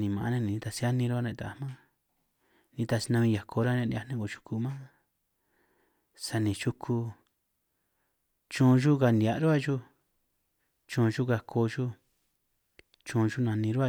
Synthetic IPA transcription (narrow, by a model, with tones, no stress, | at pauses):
nĩ˨mã˨˧nẽ˦nĩ˨nĩ˧t̪a˧si˧a˦nĩ˧ɾu˦a˧nẽ˧˨t̪a˨mã˦ | nĩ˧t̪a˧si˧nã˧mĩ˧ja˨kʰo˧ɾa˦nã˧nda˧nẽ˦ko˨t͡ʃu̥˧kʰu˧mã˦ | sa˧nĩ˨t͡ʃu˧kʰu˧ | t͡ʃũ˧ʒu˦ka˧ni˨a˨ʔɾu˦a˦ʒu˦ | t͡ʃũː˧ʒu˦ka˧kʰo˧ʒu˦ | t͡ʃũ˧ʒu˦nã˧nĩ˧ɾu˦a˧